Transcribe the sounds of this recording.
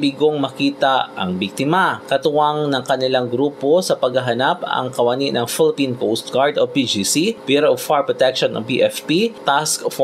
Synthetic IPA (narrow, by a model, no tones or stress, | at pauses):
biɡoŋmɐkiːt̪aʔɐ̰ŋbik̚t̪ɪmakɐt̪ʊwaŋnɐŋkɐnɪlaŋɡɾuːposɐpɐɡhɐɦɐnapɐ̰ŋkɐwaniʔnɐŋfɪlɪpinkowst̪̚ɡaɹd̪opid͡ʒisipɛɾʔofaɹpɹɔt̪ɛkʃonʔɐ̰ŋpḭʔɛfpit̪askf